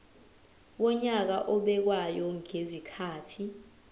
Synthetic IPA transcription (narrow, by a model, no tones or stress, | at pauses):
wɔɲak̬aʔɔɓɛk̬wajɔŋezikʰaːtʰi